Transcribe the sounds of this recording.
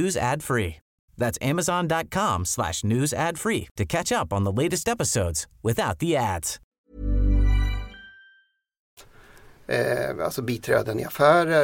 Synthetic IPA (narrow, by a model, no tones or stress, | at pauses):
ʉzæ̰d̥fɹi | ðætsæməzɑ̃ndɑt̚kʰɑ̃mslæ̰ʃnʉzæd̥fɹitʰɨkʰæt͡ʃʌpn̩ðəleɪɾɨstɛpəsoʊdz̥wɨθaʊt̪̚ðiædz̥ | a̰lsɔbiːt̪ʰɾɛ̰ːd̪ənɪ̰afæːɾə